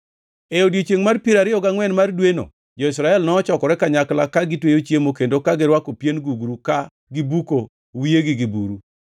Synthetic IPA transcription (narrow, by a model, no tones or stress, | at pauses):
eodjet͡ʃeŋmarpiɾaɾɪjɔɡaŋwɛnmardweno̰ | d͡ʒɔisɾaɛlnɔːt͡ʃɔkɔɾɛkaɲaklakaɡɪtwejot͡ʃjemokendokaɡeɾwakopjenɡuɡɾuka | ɡɪbuko | wijeɡɪɡibuɾu